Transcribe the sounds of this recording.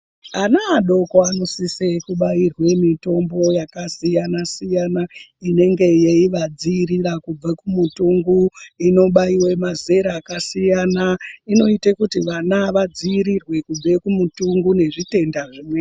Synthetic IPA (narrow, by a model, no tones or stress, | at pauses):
anaːɗo̞koano̞sisekuɓairwe̞mito̞mbo̞jakasijanasijanaine̞ŋɡe̞jeiʋad͡ziːɾirakub͡vekumutuŋɡuino̞ɓaiwe̞maze̞ɾaːkasijanaino̞itekutiʋanaʋad͡ziːɾirwe̞kub͡vekumutuŋɡune̞ʐite̞ndaʐimweː